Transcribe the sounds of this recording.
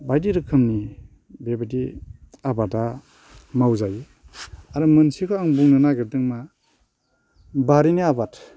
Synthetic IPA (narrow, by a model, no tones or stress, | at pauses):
bajdiɾɯkʰɯmni | bebadiabada | mawzajɯ | aɾɯmɯnsikʰɔaŋbuŋnɯnaɡib̚dɯŋma | baɾiniabat